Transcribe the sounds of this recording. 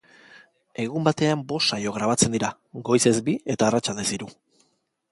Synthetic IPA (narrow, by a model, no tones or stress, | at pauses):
e̞ɣ̞umbat̪e̞ambo̞sajo̞ɣ̞ɾaβ̞at͡se̞nd̪iɾa | ɡo̞jse̞zbie̞t̪aːrat͡ʃald̪esiɾu